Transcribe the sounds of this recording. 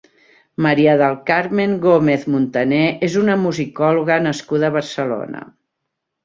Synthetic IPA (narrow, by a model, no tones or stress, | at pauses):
məɾiəðəlˠkaɾmeŋɡomeθmunt̪ənɛʔezunəmuzikɔluɣənəskuðəːβ̞əɾsəlo̰nə̰